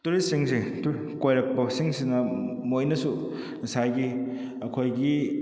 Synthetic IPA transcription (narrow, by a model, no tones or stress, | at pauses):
tuɾisiŋsitu | kojɾɐk̚pɐsiŋsinɐmojnɐsu | nisajɡi | ɐkʰojɡi